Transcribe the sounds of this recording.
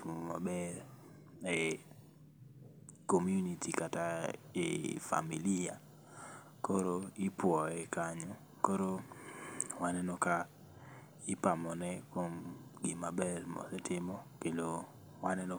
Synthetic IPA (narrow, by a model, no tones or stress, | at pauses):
uma̰bɛɾ | ɛ | komjunitikataḛfa̰milia | koɾoipwɔɛkaɲo | koɾo | wanɛnɔka | ɪpamɔnɛkwomɡɪmabɛrmɔ̰lɛtɪmɔkedo | wanɛno